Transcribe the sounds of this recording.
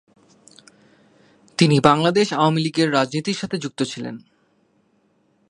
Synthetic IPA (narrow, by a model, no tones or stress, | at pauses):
t̪inibaŋlad̪eʃaoamiliɡeɾːad͡ʑnit̪iɾʃat̪ʰed͡ʑuk̚t̪ot͡ɕʰilḛn